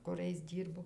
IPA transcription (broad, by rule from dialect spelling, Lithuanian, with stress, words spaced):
kʊˈrɐɪs ˈdʲiːrboː